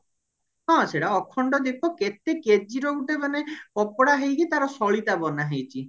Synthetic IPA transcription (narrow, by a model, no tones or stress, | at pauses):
ɦɔ̃seʈaɔkʰːɔɳɖɔd̪ipʰɔket̪eked͡ʒiɾout̪ebanepɔpɔɽaɦejkʰit̪aɾɔsɔɭit̪abɔnaɦejt͡ʃʰi